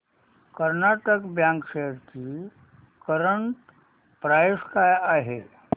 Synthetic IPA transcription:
kəɾnaːʈəkbjãːŋkʃeəɾki | kəɾəɳʈ | pɾaːjskaaɦe

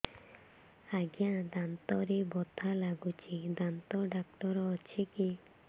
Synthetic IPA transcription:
aɡjãd̪ant̪ɔɾebɔt̪ʰalaɡut͡ʃid̪ant̪ɔɖak̚ʈɔɾɔːt͡ʃʰiki

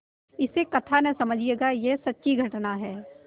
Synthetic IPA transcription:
ɪsekɐt̪ʰanɐ̃sɐməd͡ʒʱieːɡajesɐtːʃiɡʱɐʈnaɦɛː

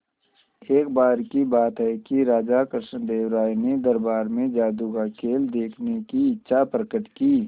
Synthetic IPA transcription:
eːk̚baːɾkibaːt̪ɦɛkiɾaːd͡ʒakɾʃə̃nd̪eːwɾaːined̪əɾbaːɾmẽd͡ʒaːd̪uɡaːkeːld̪eːkʰnekiɪtːʃʰapɾəkəʈkiː

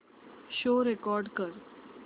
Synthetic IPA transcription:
ɕoɾekɔɾɖkəɾ

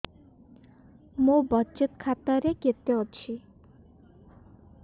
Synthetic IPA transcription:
mũbɔt͡ʃet̪kʰat̪aɾeket̪eɔt͡ʃʰi

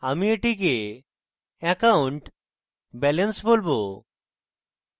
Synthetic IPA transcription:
amieʈik̬e | ɛkauɳʈ | bɛlensbolbo

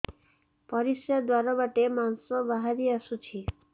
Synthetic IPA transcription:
pɔɾisjad̪waɾabaʈemansɔbaɦaɾiasut͡ʃʰi

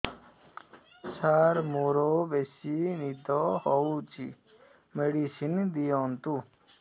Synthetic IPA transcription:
saɾmoɾobesinid̪ɔɦɔut͡ʃʰḭ | meɽisind̪ijɔnt̪u

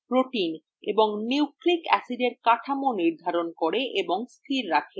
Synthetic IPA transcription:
pɾoʈin | ḛboŋniwklikɛ̰siɖeɾkaʈʰamoniɾd̪ʱaɾonkoɾeʔeboŋst̪ʰiɾːakʰe

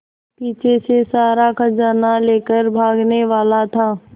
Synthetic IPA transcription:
piːt͡ʃʰesesaːɾakəd͡ʒaːnaleːkəɾbʱaːɡneʋaːlat̪ʰaː

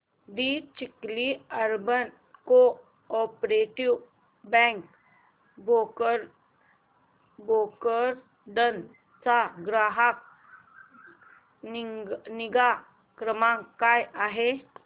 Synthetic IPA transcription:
d̪iːt͡ɕikliəɾbən | ko | ɔpɾeʈiw | bɛ̃ŋk | bokɾ | bokəɾ | ɖən | t͡saɡɾaɦak̚ | niɡa | kɾəmãkːajaɦe

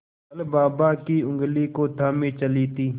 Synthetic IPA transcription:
ɐlbaːbaːkiːʊ̃ŋɡliːkoːt̪ʰaːmĩːt͡ʃəliːt̪iː

